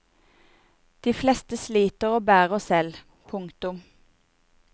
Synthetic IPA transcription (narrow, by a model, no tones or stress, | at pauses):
d̪̥iːflɛst̪əsliːt̪əʁoːbæːʁɔsɛl | pʰʊŋkt̪ʊm